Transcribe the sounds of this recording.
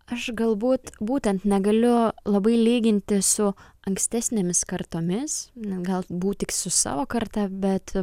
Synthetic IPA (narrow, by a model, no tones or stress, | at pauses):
ɐʃɡɐlˠbuːt̪buːt̪ʲɛnt̪nʲɛɡɐlʲʊlˠɐbɐɪlʲiːɡʲɪnʲt̪ʲɪsʊ | ɐŋksʲt̪ʲæːsʲnʲeːmʲɪskɐɾt̪oːmʲɪsnʲɛɡɐlˠbuːt̪ʲɪksʊsɑ̰ːʋoːkɐɾt̪ɐbʲɛt̪